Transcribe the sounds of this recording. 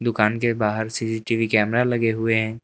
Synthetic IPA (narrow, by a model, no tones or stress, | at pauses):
d̪ʊkaːnkebaːɦəɾsiːsiʈiːʋikɛːmɾalɐɡeɦʊeɦɛ̃ː